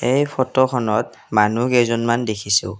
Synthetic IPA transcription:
ejpʰɔtɔkʰɔnɔt̚ | manukezɔnmandekʰisʊ

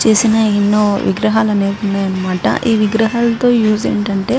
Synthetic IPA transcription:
t͡ʃe̞ːsinɐinːoːʋḭɡɾɐɦaːlɐneːkunːaːjɐnːɐmaːʈɐ̰ʔiːʋiɡɾɐɦaːlɐt̪o̞ːjuːsḛːɳʈɐɳʈe̞ː

